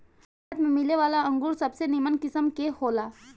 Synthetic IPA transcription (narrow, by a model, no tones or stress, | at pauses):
t̪mẽmɪleʋaːlaɐ̃ŋɡuːɾsɐbsenimənkɪsəmkehoːlaː